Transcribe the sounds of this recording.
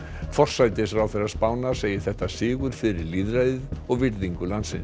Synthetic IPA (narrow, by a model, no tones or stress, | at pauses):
fɔr̥sajt̪ɪfɾawθɛrːaspaːwnaseːjɪθɛht̪asɪːɣʏɾ̥fɪɾɪɾliːðɾajðɪðɔɣvɪɾðiŋkʏlant̪sɪ̰ns